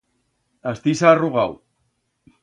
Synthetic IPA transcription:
ast̪isaruɣaw

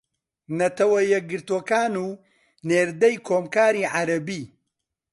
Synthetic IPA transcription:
nɐt̪ɐwɐjɛɡɨɾt̪okaːnuː | neːɾd̪ɐjkʰoːmkaːɾiːʕaɾɐbiː

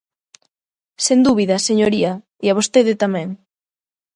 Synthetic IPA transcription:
send̪uβiðɐseɲoɾiɐ | iaβ̞ost̪eðɪt̪amɛ̃ŋ

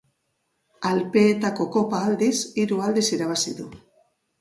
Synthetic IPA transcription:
alpe̞ːt̪ako̞ko̞paːld̪isiɾuald̪isiɾaβ̞asiðu

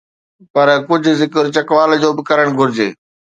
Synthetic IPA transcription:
pɐɾkʊd͡ʑʱʊ̆zɪkəɾt͡ɕɐkʋaːld͡ʑoːbɪkɐɾəɽ̃ɡʱʊɾɪd͡ʑḛː

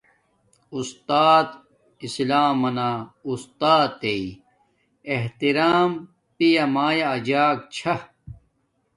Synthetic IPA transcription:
ust̪aːt̪ | islaːmɐnaːust̪aːt̪ːei | eɦt̪iɾaːm | pijamaːjaːd͡ʑaːk̚t͡ɕʰɐ

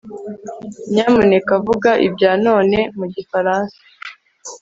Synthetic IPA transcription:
ɲaːmunekavuɡaʔḭbɟaːno̞ːne̞muɟifaɾaːnsḁ

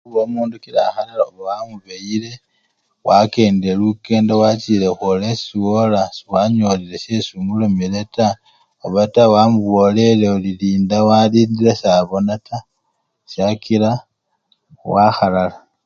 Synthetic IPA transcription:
uβomuːndukilaxalalaoβawamuβeile̞ | wake̞ːnde̞luke̞ːndewat͡ʃilexolesiwolaswaɲo̞lile̞se̞suːŋɡulomileta | oβatawamuβo̞le̞leoliliːndawaliːndiɾesaβo̞nata | sakila | waxalala

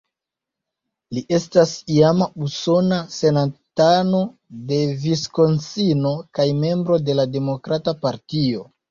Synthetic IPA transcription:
liʔe̞stasiamauso̞nase̞natano̞ | de̞visko̞nsino̞kajme̞mbɾo̞de̞lade̞mo̞kɾatapaɾtio̞

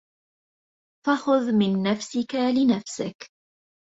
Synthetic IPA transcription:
faxʊðmɪnːafsɪkalɪnafsɪk

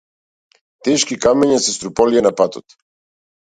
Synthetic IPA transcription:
t̪ɛʃkikamɛɲasɛst̪ɾupɔlianapat̪ɔ̰t̪

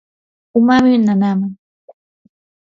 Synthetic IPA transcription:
ʊmaminanamaŋ

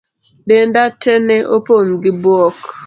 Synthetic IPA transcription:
ɗendatʰɛnɛʔopoŋɡɪbwɔk

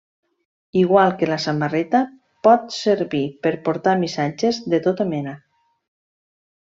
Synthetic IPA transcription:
iɣwalˠkelasamarɛt̪a | pɔt̪səɾβipəɾpoɾt̪amisad͡ʒezðet̪ot̪amɛna

